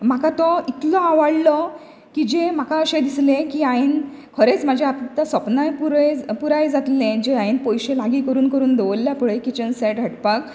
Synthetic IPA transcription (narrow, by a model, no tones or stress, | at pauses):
m̤akat̪ɔit̪lɔaʋaɽlɔ | kid͡ʑem̤akaəɕed̪islẽkiːainkʰəɾet͡smad͡ʑʱeapt̪asəpnajpuɾjpuɾajd͡zat̪lẽd͡ʑeãinpɔjɕẽlaɡiːkəɾuːnkəɾuːnd̪eʋəlːjapəɭekit͡ɕənseʈɡʱəʈpak